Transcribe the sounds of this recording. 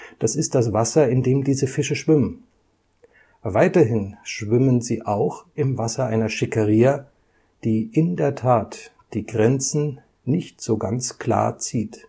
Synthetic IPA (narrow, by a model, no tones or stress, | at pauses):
d̥asɪst̚d̥asv̥asɐɪndeːmdiːzəfɪʃəʃv̥ɪmən | vaɪtɐɦɪnʃv̥ɪmənziːʔaʊxʔɪmvasɐʔaɪnɐʃɪkəʁiːɐ | d̥iːʔɪndeːɐtʰaːt | d̥iːɡʁɛnt͡sn̩ | nɪçtz̥oːɡant͡skl̥a̰ːɐt͡siːt